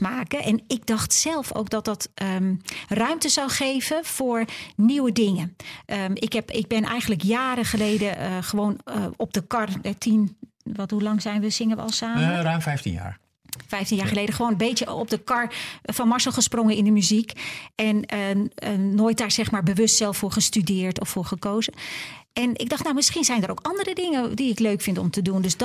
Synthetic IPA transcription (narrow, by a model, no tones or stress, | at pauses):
maːkəʔɛnɪɡ̚dɑxtsɛlˠfo̰wk̚dɔt̚dɔtərœɥmtəzawχeːvəfoːɹniwədɪŋəʔəɪkɦɛpɪɡ̚bɛnʔɛ̰jxəndləkjaːɾəχəlejdəəxəʋoːnɔp̚dəkɑrətʰin | ʋɔtɦulɑŋzɛjnʋəz̥ɪŋəʋə̰ɔ̰lˠsaːmərœɥmfɛjftḭnja̰ːɹ | fɛjftinjaːχəlejdəχəʋoːnəmbejtjəɔp̚dəkɑɹfɑnmɑɹsəlˠχəsprɔŋəɪndəmyzikɛnənoːjt̚daːɹzɛxmaːɹbəʋʏstsɛlˠffʊːɹχəstydɪːɹtɔfʊːɹχəkowzəʔɛnɪɡ̚dɑχtnawmɪsχinzɛjndərowkɑndərədɪŋədiɪkløɥkfɪntɔ̰mtədundøsd